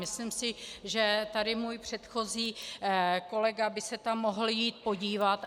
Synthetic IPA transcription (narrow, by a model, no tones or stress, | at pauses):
ɪslimsɪʒɛt̪adɪmuːjpr̝̥ɛt̪xo̞ziː | ko̞lɛɡabɪsɛt̪amːo̞ɦl̩jiːt̪̚po̞ɟiːvat̪